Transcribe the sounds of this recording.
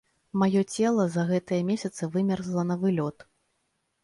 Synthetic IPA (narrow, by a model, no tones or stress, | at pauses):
majɔt͡sʲɛlˠɐzɐɣɛt̪ɨjɐmʲesʲɐt̪sɨvɨmʲɛrzlˠɐnɐvɨlʲɔt̪